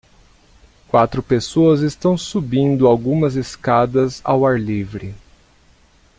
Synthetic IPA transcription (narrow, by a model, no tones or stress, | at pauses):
kwat̪ɾʊpesoɐzest̪ɐ̃w̃subĩnd̪ʊawɡũmɐzeskad̪ɐza̰waɾlivɾɪ